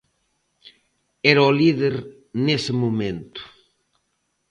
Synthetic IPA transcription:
eɾaoliðeɾ | nesɪmomẽnt̪ʊ̥

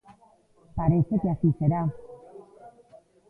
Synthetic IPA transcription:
paɾeset̪easiseɾa

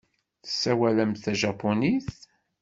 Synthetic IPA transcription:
θə̥sːæwæləmθæʒɑpːoniθ

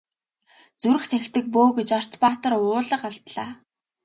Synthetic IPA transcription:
t͡suɾɘ̆xt̪ʰext̪ɘ̆k̚poːɡet͡ɕɔr̥t͡spaːt̪ə̆rʊːɮə̆qaɮt̪ɮaː

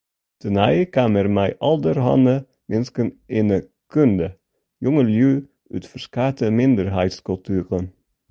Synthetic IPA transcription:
t̪ʰənæɪkɑːməɾmæɪʔɑld̪əɾhɑ̰nə | mɪnskənʔeːnə | kʰʉnd̪ə | jʊŋəljʉː | ʉ̰ːt̪fɔskɑːt̪ʰəmɪnd̪əɾɦæɪt̪skʉlt̪ʰyːʁən

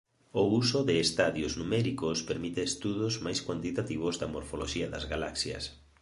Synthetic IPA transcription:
ousʊðɪːst̪aðjoznumɛɾikʊspeɾmit̪ɪːst̪uðʊzmajskwant̪it̪at̪iβ̞ʊzd̪ɐmoɾfoloʃiɐðɐzɣalaksjɐ̰s

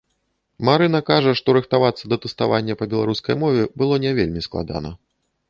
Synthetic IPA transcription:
maɾɨnɐkaʐɐʂt̪ɔɾɨxt̪avat̪sːɐd̪ɐt̪ɛst̪avanʲːɛpɐbʲɛlˠaɾuskɐ̰jmɔvʲɛbɨlˠɔnʲɛvʲelʲmʲisklˠa̰d̪a̰nɐ̰

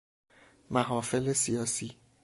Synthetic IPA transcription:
maɦɔfelesiɔsi

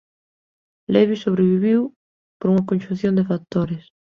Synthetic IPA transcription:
lɛβisoβɾeβiβiw | poɾuŋɐkõnʲʃũn̟θjõnd̪efat̪oɾes

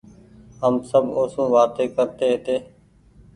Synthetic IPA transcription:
ɦəmsəbʱoːsũːʋaːt̪eːkəɾt̪eːɦɪt̪eː

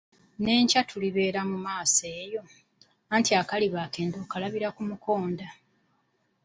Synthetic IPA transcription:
ne̞ːɲcatʰuliβe̞ːɾamumaːseːjo̞ | antiakaliβaːke̞ːndo̞ːkalaβiɾakumuko̞ːnda

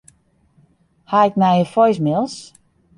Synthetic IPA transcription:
haɪk̚mɛjəfɔjs̬mɪlˠs

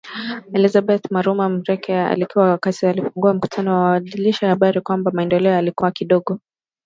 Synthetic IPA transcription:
ɛlizabɛt̪maɾumam̩ɾɛkʰɛa̰likiwawakatialifuŋɡuam̩ku̥tʰanɔwaaɗiliʃaahaɓaɾikwambamaɛndɛlɛɔjalikuwakiɗɔɠɔ

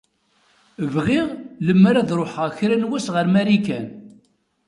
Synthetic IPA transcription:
vʁɪʁləmːaɾaðɾˤoħaçɾænwæsʁəɾmæɾikæn

